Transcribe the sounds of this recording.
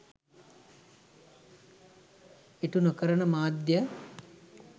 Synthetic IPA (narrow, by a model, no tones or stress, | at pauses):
eʈunokəɾəɳəmaːd̪jə